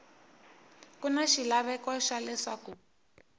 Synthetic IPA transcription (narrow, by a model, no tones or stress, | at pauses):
kunaʃilaβɛkɔʃalɛʂaku